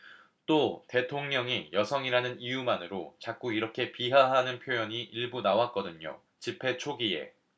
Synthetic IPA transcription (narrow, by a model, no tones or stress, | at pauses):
t͈ote̞tʰoŋɲʌŋijʌsʰʌŋiɾanɯnijumanɯɾot͡ɕak͈uiɾʌkʰe̞piɦaɦanɯnpʰjojʌɲiʔiɭbunawak͈ʌdɯɲo̰ | t͡ɕipʰe̞t͡ɕʰoɡie̞̰